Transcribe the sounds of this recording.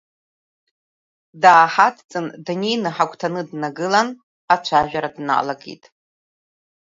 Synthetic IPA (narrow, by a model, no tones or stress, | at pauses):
daːħatʰt͡sʼɨndanejnɨħakʷʰʼtʰanɨdnaɡɨlan | at͡ʃʷʰaʒᶣaɾadna̰laɡḭtʼ